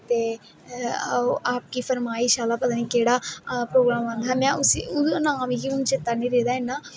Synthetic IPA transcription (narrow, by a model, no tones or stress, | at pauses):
t̪ḛː | ʔaːp̚kiːpʰəɾmaːiʃaːlaːpət̪aːniːkeːɽaːpɾoːɡɾaːmaːnd̪aːmɛ̃ːʊsiʊənaːmiːkiʊnt͡ʃɪt̪ːaːnĩːɾeːd̪aːenaː